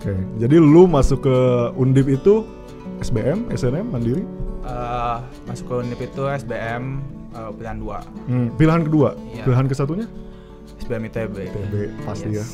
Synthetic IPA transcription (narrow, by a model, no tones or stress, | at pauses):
oked͡ʒadilumasʊkːəundɪp̬it̪u | ɛsbeʔɛmɛ̰sɛnɛmandiɾiə | masʊ̥kːəundɪpit̪uɛsbeɛm | əpilahandua̰pilaɦankəduapilaɦankəsat̪̬uɲa | ɛsbeɛmit̪uebet̪ebepast̪ija